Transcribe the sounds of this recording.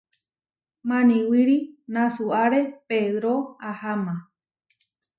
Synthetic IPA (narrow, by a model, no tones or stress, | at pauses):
mãnĩwiɾinãsuaɾepeðɾoahamã